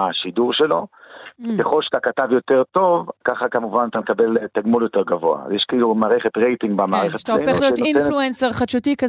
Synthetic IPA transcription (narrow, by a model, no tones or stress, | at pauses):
aʃiduʁʃelo̞ | keχo̞lʃḁt̪akatavjo̞teʁto̞vkaχakamuvanat̪amekabeltaɡmuljo̞teʁɡavo̞a̰zjɛʃkailumaːʁeχetʁejtiŋɡbamaːʁeχet̪t̪aofeχlijotinfluenseʁχaʃutika